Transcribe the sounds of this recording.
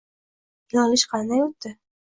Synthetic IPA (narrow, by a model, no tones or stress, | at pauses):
jɒlɪʃqʰɑnd̪ajot̪ːɪ